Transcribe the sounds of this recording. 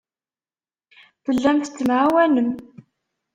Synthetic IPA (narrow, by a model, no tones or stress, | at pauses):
θəlːæmθt͡sːəmʕawænəm